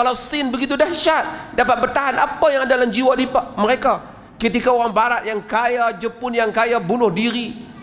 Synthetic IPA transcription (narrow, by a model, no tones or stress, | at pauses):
falast̪ɪnbəɡit̪̬udahʃat̪̚dapat̪̚bərt̪aɦanapajaŋadalamd͡ʒiwadipaʔməɾeka | kət̪ikaoɾaŋbaɾaʔjaŋkajad͡ʒəpʊnjaŋkajabunʊhdiɾi